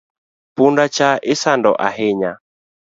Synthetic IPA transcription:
pundat͡ʃaisandɔ̰ʔa̰heɲa

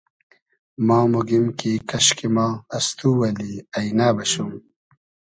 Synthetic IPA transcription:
mãːmuɡimkikɐɕkimaːɐst̪uːwɐliɐjnaːbɐɕum

